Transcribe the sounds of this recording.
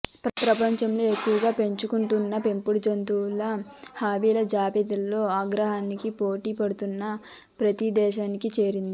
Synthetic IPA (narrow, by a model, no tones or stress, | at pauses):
pɾpɾɐpɐɲt͡ʃɐmlo̞ːekːuʋɐɡaːpe̞ɲt͡ʃukuɳʈunːɐpe̞mpuɽd͡ʒont̪ulɐhaːbiːlɐd͡ʒaːpit̪ɐlːo̞ːaːɡɾɐɦaːnikipo̞ːʈiːpɐɽut̪unːɐ | pɾɐt̪id̪ɛːʃaːnikit͡ʃe̞ːɾind̪i